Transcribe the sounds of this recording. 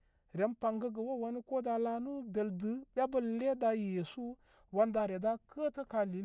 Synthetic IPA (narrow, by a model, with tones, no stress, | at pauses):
ɾe˨npa˨ŋɡə˦ɡə˨wo˦wa˦ni˦ko˦da˧la˦nu˦be˨ldɨ˨˦bʲa˦bə˦lle˦da˧je˨su˦ | wa˦nda˧˨ɾe˨da˦kʰə˦tə˦ka˨li˨